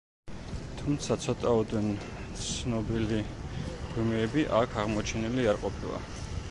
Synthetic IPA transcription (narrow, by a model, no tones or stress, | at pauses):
t̪ʰumt̪sʰat̪sʰɔt̪ʼaɔd̪ɛn | t̪sʰnɔbiliɡwimɛːbiʔakʰaʁmɔt͡ʃʰɛniliaɾqʼɔpʰilˠa̰